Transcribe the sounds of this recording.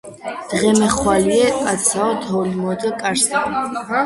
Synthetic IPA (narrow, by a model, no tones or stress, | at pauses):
d̪̥ʁɛmɛχwaliɛkʼat̪sʰaɔt̪ʰɔlimɔd̪akʼaɾsa